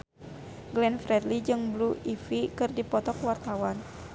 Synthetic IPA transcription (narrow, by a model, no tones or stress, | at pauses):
ɡlɛnfɾɛdlid͡ʒɨŋbluifikɨrdipɔt̪ɔkwart̪awan